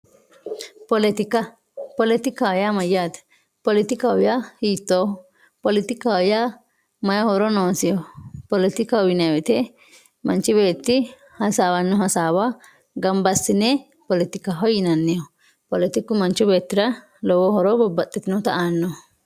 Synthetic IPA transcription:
pɔlɛt̪ɪkɐ | pɔlɛt̪ɪkːaɔjamɐjaːt̪ɐ̥ | pɔlɪt̪ɪkɐɔjahiːt̪ːoː | pɔlɪt̪ɪkaɔja | mɐjɐhɔɾɔnoːsɪjɔpɔlɪt̪ɪkɐʊjɪnɐwɛt̪ɛ | mɐnt͡ʃɪbe̞ːt̪ːɪ | hɐsaːwɐnːɔɦɐsaːwa | ɡɐmbɐsːɪnɛ | pɔlɪt̪ɪkːɐɦɔjɪnɐnːɪjɔ | pɔlɛt̪ɪkːʊmɐnt͡ʃːʊbe̞ːt̪ːɪɾɐ | lɔwɔhɔɾɔbɔbːɐt̪ʼːɛt̪ɪnɔt̪ɐʔaːnːɔ

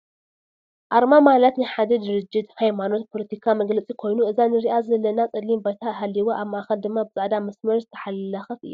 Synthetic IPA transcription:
ʔaɾmamalɐt̪nɨħad̪ɐd̪ɨɾɨd͡ʒːɪd̪hajmano̞t̪̚pʰo̞lɐt̪ʰikʰamɐɡlɐt͡sʼikʰo̞jnuɨzanɨɾiʔazɨɐlːɐnat͡sʼɨd̪limbat̪ʰaɦalːiwoʔamːaʔaxɐld̪ɨmːabɨzʼaʕd̪amɐsmɐɾzɨt̪ʰɐ̥ħalːɐxɐfɨ̰jːu

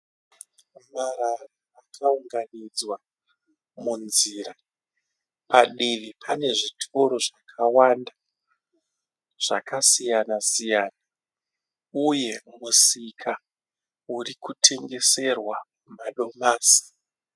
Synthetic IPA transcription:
mararaːkʰauŋɡanid͡zwa | munzira | paɗiʋipʰane̞ʐitʰo̞ɾo̞ʐakʰawanda | ʐ̥a̰kasijanasijaːna | uje̞musikʰa | urikutʰe̞ŋɡe̞se̞rwa | maɗo̞maːsi̥

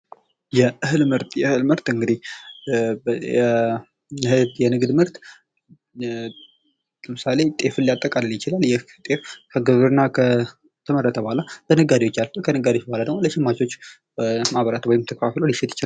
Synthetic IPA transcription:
jɛʔɨhɨlmɨɾt̪jɛɨhɨlmɨɾt̪ɨŋɡɨd̪ih | bɛ | ɛhɨjɛnɨɡd̪mɨɾt̪ | ləmɨsale̞t̪ʼe̞fɨnlːijat̪ʼːəkʼalɨljɪt͡ʃɪlaljɛt̪ʼe̞fkʰəɡɨβɨɾɨnːakʰə | t̪ʰəmərːət̪ʰəbəhalab̥ənəɡad̪iwo̞t͡ʃːalfəkʰənəɡad̪jwobəhalad̪əɡmoləʃɪmːat͡ʃo̞t͡ʃː | əmaβəɾat̪wəjimt̪ʰəkəfafloliʃɛt̪jɪ̥t͡ʃɪlal

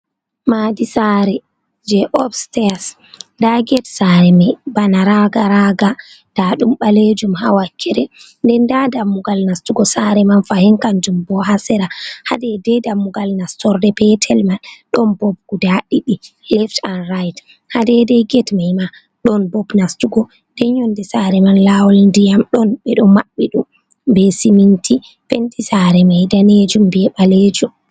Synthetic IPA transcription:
madisaɾɛ | d͡ʒɛʔɔfstɛas | ndaɡɛtsaɾɛmɛbanaɾaɡaɾaɡa | d̥aɗumɓaled͡ʒumhawakʰːɛɾɛ | ndɛndadamːuɡalnastuɡɔsaɾɛmanfahiŋkand͡ʒumbɔɦasɛɾaha̰dɛdɛdamːuɡalnastɔɾdɛpɛtʰɛlmanɗɔnbɔb̚ɡ̥udaɗiɗilɛftanɾajt | hadɛdɛjɡɛtmajma | ɗɔnbɔbnastuɡɔ | d̥ɛɲɔndɛsaɾɛmanlawɔlndijamɗɔnɓɛɗɔmaɓːɛɗum | bɛsimintʰi | pendisaɾɛmajdaned͡ʒumbɛɓaled͡ʒum

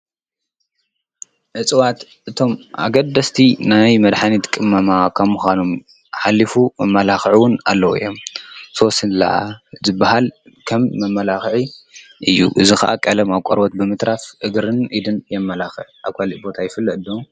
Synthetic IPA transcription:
ʔʕɨt͡sʼɨwat̪ | ʔɨt̪ʰo̞mʔa̰ɡɐd̪ɐst̪ʰinajmɐd̪ħanit̪kʼɨmːɐmakʰɐmːuxanom | ħalːifumɐmːɐlaxʕiwʊna̰lːɐwɨ̰jːo̞mso̞sɨnla̰zɨbːahal | kʰɐmːɐmːɐlaxʕiʔɨjːṵʔɨzixɐ̰ʔa̰kʼɐlɐmaβkʷʼo̰ɾbot̪̚bɨmɨt̪ɾafʔɨɡɾɨnid̪ɨnjɛmːɐlaxɨʕʔaβkʰaliʔbo̞t̪ʰajɪfɨlːɐʔɨd̪o

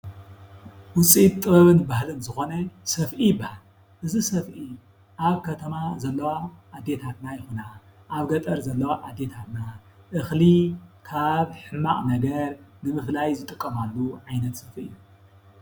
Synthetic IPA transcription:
wʊt͡sʼit̪ʼːɨβɐβɨnbahlɨnzɨxo̞nɐsɐfʔijbahal | ʔɨzisɐfʔi | ʔaβkʰɐt̪ʰɐmazɐlːɐwaʔːd̪ːe̞t̪ʰat̪najɪxunaʔaβɡɐt̪ʼɐɾzɐlːɐwaʔad̪ːe̞t̪ʰat̪na | ʔɨxlikʰaβħɨmːaχʼnɐɡɐɾnɨmɨflajzɨt̪ʼɨkʼːɐmalːuʕajnɐt̪sɐfɨ̰jːu

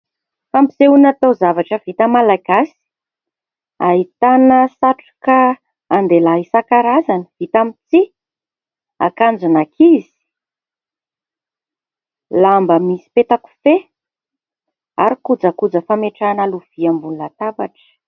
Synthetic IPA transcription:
fambizeunat̪owzavaʈ͡ʂəvit̪əmalaɡ̥asi̥ | aɦit̪anəsaʈ͡ʂu̥kaː | nd̪elaɦisakaɾazanəvit̪amit͡si | a̰kand͡zunakʰizi̥ | lambəmisi̥pet̪aku̥fe | aɾikud͡zakud͡zəfameʈ͡ʂanaluviambulunat̪abaʈ͡ʂə̥

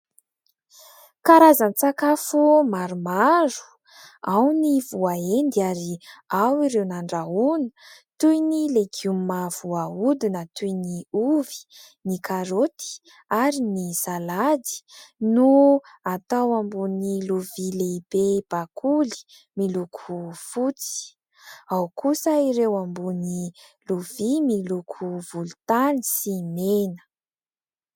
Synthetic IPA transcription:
kaɾazanit͡sakafumaɾumaɾu̥ | awnivuaend̪iaɾiawiɾewnaɳɖ͡ʐaunə̥t̪ujnileɡumav̥uaud̪inət̪ujniuvi̥ | nikʰaɾot̪i̥ | aɾinisaladi̥nuat̪awambuniluvileb̥eb̥akʰuli̥ | milukʰufut͡si̥ | awkʰusəiɾewambuni | luvimilukʰuv̥ulut̪anisimenə̥

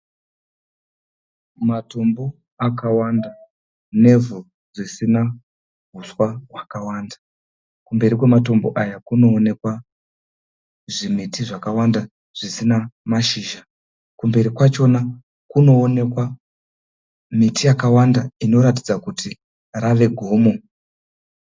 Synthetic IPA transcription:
mato̞mbo | akawanda | ne̞vu | ʐisina | ɦuswaɦwakawaːnda | kumbe̞ɾikwe̞mato̞mbo̞ʔajakuno̞ːne̞kwa | ʐimitiʐakawanda | ʐ̥isinamaʃiːʒa | kumbe̞ɾikwat͡ʃo̞na | kuno̞ːne̞kwa | mitijakawandaino̞ɾat̬id͡zakutʰi | raʋe̞ɡʱo̞ːmo̞

